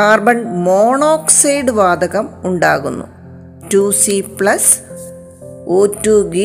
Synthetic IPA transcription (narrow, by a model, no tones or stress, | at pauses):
aːrbɐɳɖmoːɳoːksejɖɨʋaːd̪ʱɐɣɐmuɳɖa̰ːɣunːṵ | tuːsipɭɐs | oːtːuːɡi